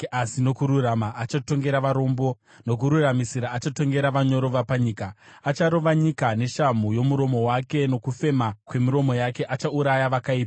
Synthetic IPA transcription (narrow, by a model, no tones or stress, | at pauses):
asino̞kuɾuramaʔːt͡ʃato̞ŋɡe̞ɾaʋaɾo̞ːmbo̞ | no̞k̬uɾuramisiɾaːt͡ʃato̞ŋɡe̞ɾaʋaɲo̞ɾo̞ʋapaɲiːkaːt͡ʃaɾo̞ʋaɲikane̞ʃamujo̞muɾo̞mo̞wake̞no̞kufe̞makwe̞miɾo̞mo̞jake̞ʔat͡ʃauɾajaʋakaiːpa